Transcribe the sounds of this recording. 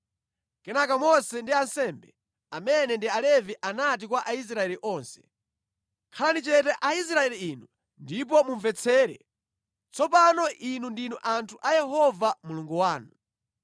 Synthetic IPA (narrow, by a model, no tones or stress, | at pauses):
kɛnakamɔsɛndiansɛmbɛ | amɛnɛndialɛviʔanat̬ik̬waʔais̬ɾaɛliʔɔnsɛ̥ | kʰalanit͡ʃɛtɛʔais̬ɾaɛliinu | ndip̬ɔmuɱvɛt͡sʰɛːɾɛ̰ | t͡sɔpanɔʔinundinuʔantʰuʔajɛɦɔvamuluŋɡuwaːnu